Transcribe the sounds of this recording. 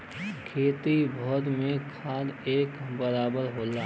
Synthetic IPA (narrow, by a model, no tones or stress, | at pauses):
kʰeːt̪ibʱɔd̪mẽkʰaːd̪eːkbəɾaːbəɾɦoːlaː